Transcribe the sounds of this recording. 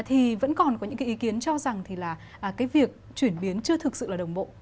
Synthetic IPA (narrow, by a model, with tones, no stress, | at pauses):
t̪ʰi˨˩və̰˧˥nkɔ˨˩nkɔ˨˦ɲɨ̰˧˥ka˨˦ʔi˨˦ki˨˦ənt͡ɕɔ˧za˨˩ŋt̪ʰi˨˩laː˨˩ | ʔːkaː˨˦jvi˨˩ək̚ | t͡ɕwi˧˩ənɓi˨˦ənt͡ɕɨ˧ət̪ʰɨ˨˩k̚sɨ̰˧˨laː˨˩ɗə˨˩wŋ͡mɓo̰˧˨